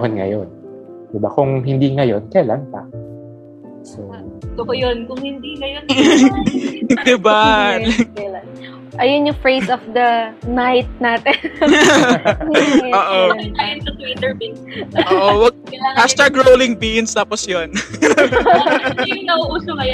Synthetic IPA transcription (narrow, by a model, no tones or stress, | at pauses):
honŋɐ̰jon | d̪̥ɪba̰kʊŋɦɪnd̪iŋɐjo̰nkɐjlanpɐ̰ | sot̪ɐkojonkʊŋhɪnd̪iŋɐjon | d̪ɪba | ɐlan | ʔɐjonjʊŋfɹejsɔfd̪ɐnajt̪̚naːt̪ɛn | oːʔoajɐnsɐt̪wit̪ɛɹbin | oːʔowɐɡ̚ɐaast̪ɐɹɡɹowlɪŋbinst̪aːposjon | jʊnɐʔuʔuːsokɐjo